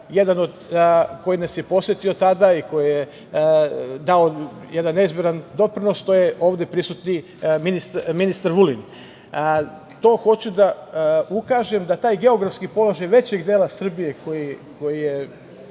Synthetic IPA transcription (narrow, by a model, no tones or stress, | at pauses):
je̞d̪ano̞d̪ko̞jinasjepo̞sjet̪iot̪ad̪aiko̞jije | d̪ao̞ | jed̪anːeizbjeɾand̪o̞pɾino̞st̪o̞jeo̞ːʋd̪e̞pɾisut̪ni | minist̪minist̪aɾʋuliɲ | t̪o̞ːxo̞t͡ɕud̪aukaːʒe̞md̪at̪aːjɡe̞o̞ɡɾafskipo̞loʒajʋe̞t͡ɕe̞ɡd̪eːlasr̩bije̞ko̞jiko̞jije